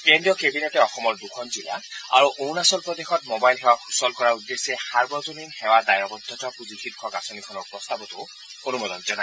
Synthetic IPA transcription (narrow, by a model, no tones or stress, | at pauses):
kendiɔkebinetɛɔxɔmɔɹdukʰɔnzila̰a̰ɹuʔownasɔlpɹɔd̪exɔtmɔbajlɦɛwausɔlkɔɹaudːesɛxaɹbɔzoninhɛwadajɔbɔd̪ʱɔtɔpuzixitkʰɔkasɔnikʰɔnɔɹpɹɔstabɔtʊ | onumɔdɔnzɔna